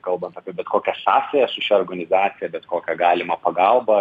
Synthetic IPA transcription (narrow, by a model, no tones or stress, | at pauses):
kɐlˠbɐnt̪ɐːpʲiɛbʲɛt̪koːkʲɛsɑːsʲɛjɛsʊʃʲɛoːrɡɐnʲɪzɑːt̪sʲɪjɛbʲɛt̪koːkʲɛɡɑːlʲɪmɐpɐɡɑlˠbɐ